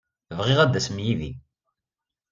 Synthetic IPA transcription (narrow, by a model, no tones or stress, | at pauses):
vʁɪʁæd̪ːæsmjiðḭ